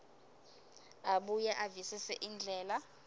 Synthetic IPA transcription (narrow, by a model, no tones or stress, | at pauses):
aɓujɛʔavisisɛʔind͡ɮʱɛːla